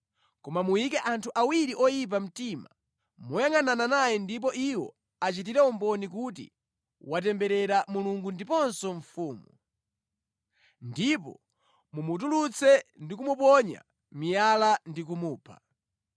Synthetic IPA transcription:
kɔmamujikɛʔantʰuʔawiɾiʔɔjip̬am̩tima | mujaŋanananajɛndip̬ɔʔiwɔ̰ | at͡ʃit̬iɾɛumbɔnikutḭ | watɛmbɛɾɛɾamuluŋɡundipɔnsɔɱfuːmu | ndipɔ̰ | mumut̬ulut͡sʰɛndik̬umupɔɲa̰ | mijalandik̬umuːpʰḁ̰

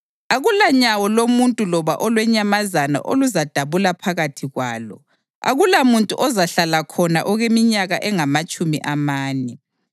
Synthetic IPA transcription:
aɣulaɲawɔlomuntʼulɔβa̰ʔɔlwɛɲamazana̰ʔo̰luzad̥ʱaβulapʰaɣatʰiɣwaːlɔ̰ | a̰ɣulamuntʼuʔɔzaɬalakʰɔna̰ʔɔɣemiɲaɣaʔɛŋamat͡ʃʼumiʔamaːnɛ

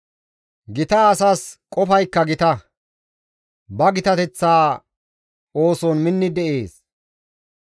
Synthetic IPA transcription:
ɡɪt̪ɐːsaːskʼɔfɐjkːɐɡɪt̪ɐ | bɐɡɪt̪ɐt̪ɛt͡sːaː | o̞ːsɔnmɪnːɪd̪ɛʔeːs

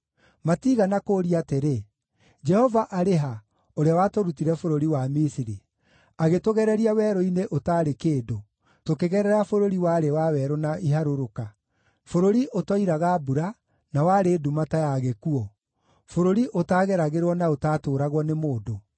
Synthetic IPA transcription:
matiɣanakoːɾiateɾe | d͡ʒɛhɔvaʔaɾeɦa | oɾeawatoɾutiɾɛfoɾoɾiwamisiɾi | aɣetoɣɛɾɛɾiawɛːɾɔineʔotaːɾekeːdo | tokeɣɛɾɛɾafoɾoɾiwaːɾewawɛɾonaiɦaɾoɾoka | foɾoɾiʔotɔiɾaɣabuɾa | nawaɾeːdumatajaɣekuɔ | foɾoɾiʔotaːɣɛɾaɣeɾwɔnaotaːtoːɾaɣwɔnemoːdo

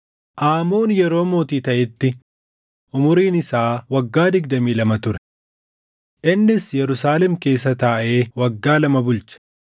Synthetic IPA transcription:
ʔaːmoːnjɛɾo̞ːmo̞ːt̪iːt̪ɐʔɪt̪ːɪ | ʔʊmʊɾiːnɪsaːwɐɡːaːd̪ɪɡd̪ɐmiːlɐmɐt̪ʊɾɛ | ʔɪnːɪsjɛɾʊsaːlɛmke̞ːsːɐt̪aːʔeːwɐɡːaːlɐmɐbʊlt͡ʃɐ̥

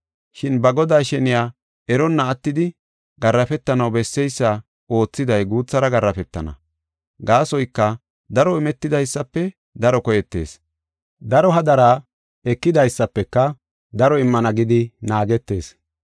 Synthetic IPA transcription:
ʃɪnbɐɡɔd̪aːʃɛnɪjaː | ɛɾɔnːɐːt̪ːɪd̪ɪ | ɡɐrːɐfɛt̪ːɐnɐwbɛsːɛjsːɐ | o̞ːt͡sːɪd̪ɐjɡuːt͡sːɐɾɐɡɐrːɐfɛt̪ːɐ̰nɐ̰ | ɡaːsɔjkːɐ | d̪ɐɾɔɪmɛt̪ːɪd̪ɐjsːɐpːɛ | d̪ɐɾɔkɔjɛt̪ːe̞̰ːs | d̪ɐɾɔɦɐd̪ɐɾaː | ɛkːɪd̪ɐjsːɐpːɛkːɐ | d̪ɐɾɔɪmːɐnɐɡɪd̪ɪnaːɡɛt̪ːe̞ːs

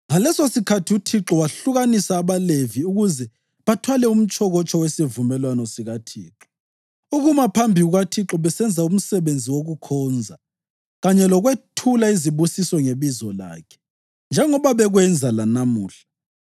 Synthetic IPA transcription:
ŋalɛsosikʰatʰiutʰiǁɔwaɬuɣanisaːβaleviuɣuzɛ | βatʰwalɛum̩t͡ʃʼɔɣɔt͡ʃʰʼɔwesivumɛlwanɔsiɣatʰiːǁɔ | uɣumapʰambʱiɣuɣatʰiǁɔβɛsɛnd͡zʱaum̩sɛβend͡zʱiwoɣukʰɔːnd͡zʱa | ɣaɲɛlɔɣwetʰulaiziβusisɔŋeβizɔla̰ːkʰɛ̥ | nd͡ʒʱɛŋɔβaβɛɣwɛnd͡zʱalanamṵːɬḁ

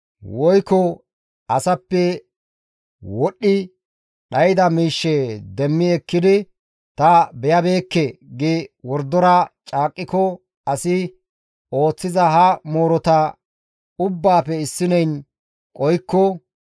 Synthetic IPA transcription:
wɔjkːɔ | ɐsɐpːɛ | wɔɗːɪ | ɗɐjɪd̪ɐmiːʃːɛd̪ɛmːɪɛkːɪd̪ɪ | t̪ɐbɛjɐbe̞ːkːɛɡɪwɔɾd̪ːɔɾɐt͡ʃʼaːkʼːɪkɔ | ɐsɪ | o̞ːt͡sːɪzɐɦɐmoːɾɔt̪ɐ | ʊbːaːpɛɪsːɪnɛjn | kʼɔjkːɔ

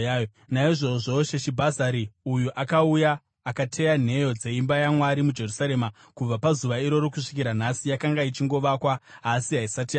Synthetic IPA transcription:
jo | naiʐo̞ʐo̞ʃeʃibʱazaɾiujuʔakaujaː | katʰe̞jan̤e̞jo̞d͡ze̞imbajamwaɾimud͡ʒe̞rusaɾe̞ma | kub͡vapazuʋaiɾo̞ɾokuʂi̥kiɾan̤asijakaŋɡait͡ʃiŋɡo̞ʋakwaasiɦaisatia

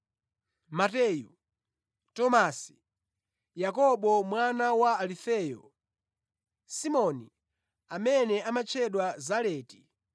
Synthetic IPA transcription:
matɛːju | tɔmasi̥ | jakɔɓɔmwanawaːlifɛːjɔ̰ | simɔni | amɛnɛamat͡ʃʰɛɗwazalɛːti

